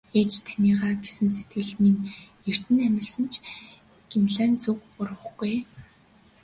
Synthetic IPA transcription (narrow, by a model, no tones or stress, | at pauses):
eːt͡ɕt̪ʰanʲiːʁaːɡesɘ̆nset̪ɡɘ̆ɮmin | er̥t̪ɘ̆næmʲɪ̆rsə̆nt͡ɕʰ | ɡ̥imɮæːnt͡sukʊrʁə̆χɡuj